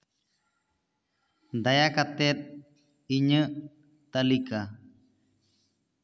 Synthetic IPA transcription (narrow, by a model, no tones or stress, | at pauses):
d̪ajakat̪ɛt̪̚ | iɲəʔ | t̪alika